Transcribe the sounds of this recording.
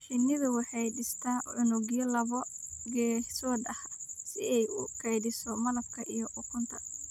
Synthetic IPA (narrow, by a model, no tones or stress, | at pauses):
ħɪnːɪðʊwɑħɑjɖɪst̪ʰaːʕʊnʊɣjɐlɐβɔɡɛːsɔːd̪ɐhsɪɛjʊkʰɛjdɪsɔmɐlɐb̚kʰɐʔijɔʔʊkʰʊnt̪ʰɐ